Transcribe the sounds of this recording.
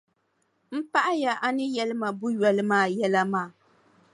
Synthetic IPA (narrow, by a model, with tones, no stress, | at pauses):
m̩˦pa˦ʔa˦ja˨ʔa˦nɨ˦jɛ˦lɨ˦ma˨bʊ˦ɥɛ˨lɨ˦maː˦˨jɛ˦la˦maː˦˨